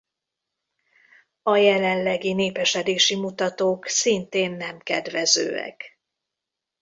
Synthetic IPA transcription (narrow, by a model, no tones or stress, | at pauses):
ɒjɛlɛnlɛɡineːpɛʃɛd̪eːʃimut̪ɒt̪oːksint̪eːnːɛmkɛd̪ʋɛzø̰ːɛ̰k